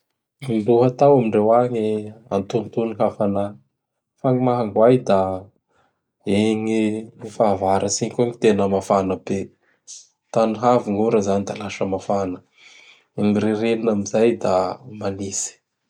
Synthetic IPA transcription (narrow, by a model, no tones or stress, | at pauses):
iluɦat̪awamiɳɖ͡ʐewaɲia̰nt̪unt̪uniɦafana | faŋimaɦaŋɡuajd̪a | eŋiifavaɾʔəsiɲkaŋit̪enəmafanəbe | t̪aniɦaviŋuɾəzanid̪alaʃəmafanə | eŋiɾeɾeninamizajd̪a̰manisi̥